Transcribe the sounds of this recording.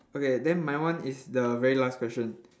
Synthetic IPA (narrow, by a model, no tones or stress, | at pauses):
okedɛ̃nmajwãnisdəvɛɹilaskwɛsʃə̃n